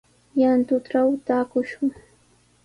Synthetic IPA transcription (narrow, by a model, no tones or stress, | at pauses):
jant̪ʊt̪ɾawt̪aːkʊʃʊŋ